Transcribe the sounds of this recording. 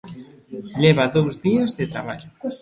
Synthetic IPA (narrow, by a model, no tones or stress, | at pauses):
leβaðowzðiazðet̪ɾa̰βaʎʊ